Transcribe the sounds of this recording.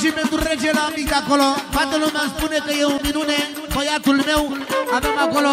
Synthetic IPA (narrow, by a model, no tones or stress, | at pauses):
simet̪ureʒelaamikakolofat̪əlomanspunekejeuminune | kojat̪ulmewamemakolo